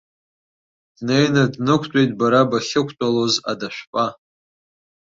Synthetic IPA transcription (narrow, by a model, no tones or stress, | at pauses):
d̥nejnadnɨkʷʰtʷʼejtʼbaɾabaχʲɪkʷʰtʼaloza̰daʃᶣʷpʼa